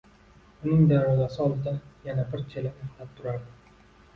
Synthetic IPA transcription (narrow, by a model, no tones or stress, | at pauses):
ʊnɪŋd̪aɾɒzasɪɒlˠd̪ɪd̪ajanabɪɾt͡ʃʰe̞lanʰaχt̪ap̚t̪ʰːʊɾaɾd̪ɪ